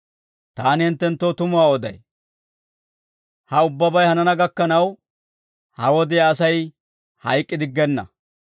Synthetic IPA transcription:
t̪aːnɪhɪnt̪ːɛnt̪ːoːt̪ʊmʊwaːɔd̪ɐj | hɐʊbːɐbɐjhɐnɐnɐɡɐkːɐnɐw | hɐwɔd̪ɛaːsɐj | hɐ̰jkʼːɪd̪ɪɡːɛnːɐ̰

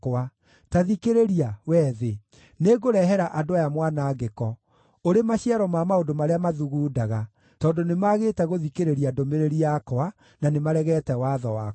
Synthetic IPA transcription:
a | taðikeɾeɾiawɛːðe | neɣoɾɛɦɛɾaʔadoajamwanaɡekɔ | oɾemaɕiaɾɔmamaodomaɾeamaðuɣuːdaɣa | tɔːndonemaɣetɛɣoðikeɾeɾiadomeɾeɾiakoa | nanemaɾɛɣɛtɛwaðɔwa

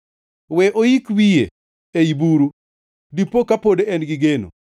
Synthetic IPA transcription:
wɛʔojikwijḛ | eibuɾu | dipːokapodeɛnɡɪɡeno̰

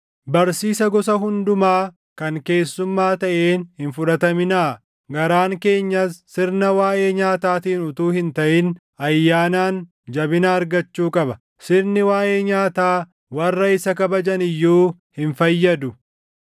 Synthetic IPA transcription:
bɐɾsiːsɐɡɔsɐɦʊnd̪ʊmaː | kɐŋke̞ːsːʊmːaːt̪ɐʔeːnhɪnfʊᶑɐt̪ɐmɪnaː | ɡɐɾaːŋke̞ːɲːɐsːɪɾnɐwaːʔe̞ːɲaːt̪aːt̪iːnʊt̪uːhɪnt̪ɐʔɪn | ɐjːaːnaːn | d͡ʒɐbɪnaːɾɡɐt͡ʃːuːkʼɐbɐ | sɪɾnɪwaːʔe̞ːɲaːt̪aː | wɐrːɐɪsɐkɐbɐd͡ʒɐnɪjːuː | hɪnfɐjːɐd̪ʊ

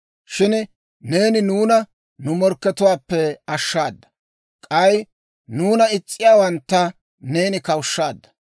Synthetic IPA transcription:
ʃɪn | ne̞ːnɪnuːnɐ | nʊmɔɾkːɛt̪ʊwaːpːɛɐʃːaːd̪ːɐ̥ | kʼɐj | nuːnɐɪt͡sʼːɪjaːwɐnt̪ːɐ | ne̞ːnɪkɐwʃːaːd̪ːɐ̥

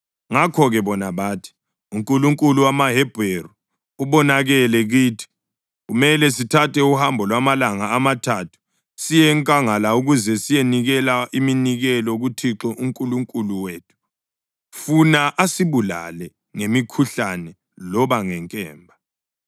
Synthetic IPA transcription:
ŋakʰɔɣɛβɔnaβaːtʰi̥ | uŋkʼuluŋkʼuluwamaɦɛbʱeru | uβɔnaɣɛlɛɣiːtʰi̥ | ɣumɛlɛsitʰatʰɛuhambʱɔlwamalaŋaːmatʰatʰu̥ | sijɛŋkʼaŋalauɣuzɛsijeniɣɛlaʔiminiɣɛlɔɣutʰiǁɔʔuŋkʼuluŋkʼuluweːtʰu̥ | funaʔasiβula̰lɛ | ŋemikʰuɬanɛ | lɔβaŋɛŋkʼɛːmbʱa

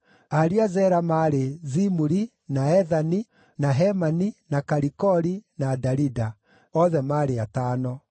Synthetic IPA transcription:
aɾiazɛɾamaɾezimuɾi | naɛðani | naɦɛmaninakaɾikɔɾinadaɾida | ɔðɛmaːɾeataːnɔ

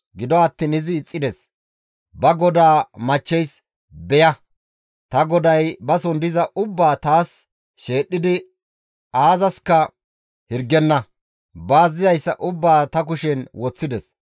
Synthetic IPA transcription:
ɡɪd̪ɔɐt̪ːiːnɪzɪːt͡sʼːɪd̪ɛs | bɐɡɔd̪aːmɐt͡ʃːɛjs | bɛjɐ | t̪ɐɡɔd̪ɐjbɐsɔnd̪ɪzɐʔʊbːaːt̪aːs | ʃe̞ːɗːɪd̪ɪ | aːzɐskɐ | hɪɾɡːɛnːɐ | baːzːɪzɐjsːɐʔʊbːaːt̪ɐk̬ʊʃɛnwɔt͡sːɪd̪ɛs

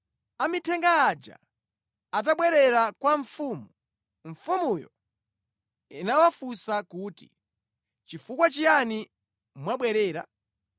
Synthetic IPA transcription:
amitʰɛŋɡaːd͡ʒa̰ | at̬aɓwɛɾɛɾakwaɱfumu | ɱ̩fumujɔ̰ | inawafusakuːtḭ | t͡ʃifukwat͡ʃijani | mwaɓwɛɾɛːɾa̰

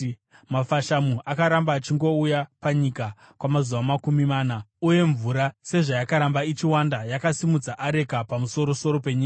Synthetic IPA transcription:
mafaʃamuakaɾambaːt͡ʃiŋɡo̞ujapaɲika | kwamazuʋamakumimaːnauje̞ɱvuɾase̞ʐajakaɾambait͡ʃiwandajakasimud͡zaʔaɾe̞kapamuso̞ɾo̞so̞ɾo̞pe̞ɲiːka

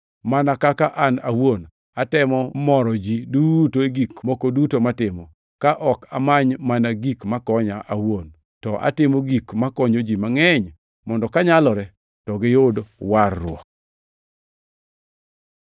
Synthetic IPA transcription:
manakakaʔanawon | atɛmɔmɔɾɔd͡ʒidutoeɡikmokodutomatɪmɔ | kaʔɔkamaɲmanaɡikmakɔɲaʔawon | tɔʔa̰tɪmoɡikmakɔɲod͡ʒimaŋɛɲ | mɔndɔkaɲalɔɾɛ | tɔɡɪjʊdwarːʊ̰ɔk̚

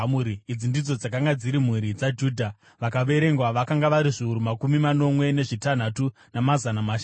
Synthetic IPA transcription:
muɾiid͡zindid͡zo̞d͡zakaŋɡad͡ziɾim̤uɾid͡zad͡ʒuːdʱa | ʋakaɓe̞ɾe̞ŋɡwaʋakaŋɡaʋaɾiʐiuɾumakumimano̞mwe̞ne̞ʐitan̤atu | namazanamaʃ

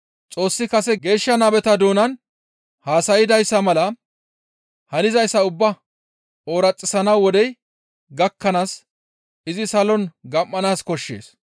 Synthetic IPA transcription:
t͡sʼo̞ːsːɪkɐsɛɡe̞ːʃːɐnɐbɛt̪ɐd̪oːnɐn | haːsɐjɪd̪ɐjsːɐmɐlɐ | hɐnɪzɐjsːɐʊbːɐ | oːɾɐt͡sʼːɪsɐnɐwːɔd̪ɛj | ɡɐkːɐnaːs | ɪzɪsɐlɔnɡɐmːɐnaːskɔʃːḛːs

